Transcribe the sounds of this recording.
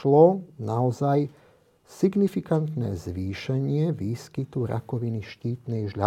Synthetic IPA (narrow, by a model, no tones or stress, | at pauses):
lɔnaɔzaj | siɡnifikant̪nɛ̰ːzʋiːʃɛɲɪɛʋiːskit̪uɾa̰kɔʋiniʃciːt̪nɛjʒʎa